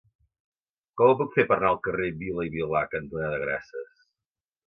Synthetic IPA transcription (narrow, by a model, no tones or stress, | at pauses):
kɔməpukfepəɾnalˠkəreβiləiβilakənt̪unaðəɣɾa̰səs